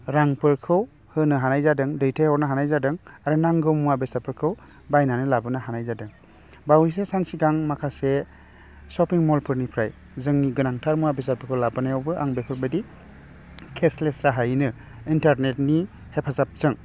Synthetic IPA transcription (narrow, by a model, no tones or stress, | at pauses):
ɾaŋpɯɾkʰɯw | hɯnɯɦanajzadɯŋdɯjtʰehɔɾnɯɦanajzadɯŋaɾɯnaŋɡɯmuabesapʰɯɾkʰɯw | bajnanɯlabɯnɯɦanajzadɯŋ | bawis̬esansiɡaŋmakʰase | sɔpiŋmɔlpʰɯɾnipʰɾaj | zɯŋniɡɯnaŋtʰaɾmuabesapɯɾkʰɯwlabɯnajawbɯʔaŋbepʰɯɾbɯdi | kʰeslesɾaɦajnɯ | intaɾnetni | hepʰazap̚zɯŋ